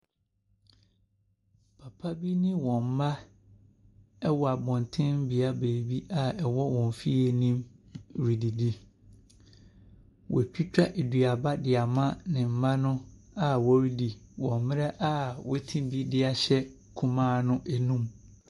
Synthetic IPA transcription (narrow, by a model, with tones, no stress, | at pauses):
pʰa˨pʰa˦bi˦nɪ̃˦wɔ̃˨m̩˨˦ma˦ | ɛ˦wɔ˨a˨bɔ̃˨n˨tʰɪ̃˦m̩˦bi˨a˦be˨bi˦ʔa˨ɛ˨wɔ˦wɔ̃˨m˨fi˦e˨nĩ˦mɾi˨di˨di˦ | wʔɔ˨t͡ɕᶣi˦t͡ɕᶣa˦ʔe˨di˨a˨ba˦dɪ˨a˨mã˦nɪ̃˨m̩˨mã˦nʊ̃˦ | a˨wɔ˦ɾi˦di˨wɔ̃˨m˨˦mɪ̃˦ɾɛ˦ʔa˦wɔ˦tʰĩ˦bi˦dɪ˦a˨ɕɛ˦ | kʰũ˨mãː˦nʊ̃˦ʔɛ˨nũ˦m